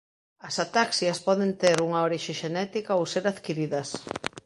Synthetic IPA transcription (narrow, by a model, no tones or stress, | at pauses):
ɐsat̪aksjɐspɔðent̪eɾuŋɐoɾiʃeʃenɛt̪ikaowseɾaðkiɾiðɐs